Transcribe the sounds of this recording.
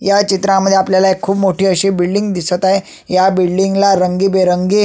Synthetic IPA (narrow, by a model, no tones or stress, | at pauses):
jat͡ɕit̪ɾãməd̪ʱːjeapljalaekʰːuːpmoʈʰiːəɕiːbilɖiŋɡd̪isət̪aɦe | jabilɖiŋɡlaɾəŋɡiːbeɾəŋɡi